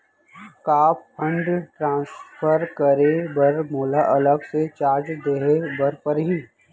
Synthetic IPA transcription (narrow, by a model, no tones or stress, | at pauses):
kaːppʰə̃ɳɖʈɾãːsfʰəɾkəɾebəɾmoːlaʔɐləɡset͡ʃaːɾd͡ʒd̪eɦebɐɾpəɾɦiː